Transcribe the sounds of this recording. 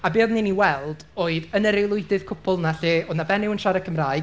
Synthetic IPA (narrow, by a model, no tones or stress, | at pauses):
abeːðniniwɛlˠd̥ | oːɨðənəɾejlˠʊɨdɨð̥kʰʊpʰʊlˠnaɬeoːðnabɛnɪwənʃaɾakʰəmraːɨɡ